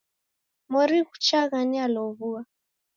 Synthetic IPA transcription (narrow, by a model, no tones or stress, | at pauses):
mɔɾiɣu̥t͡ʃaɣanialɔβua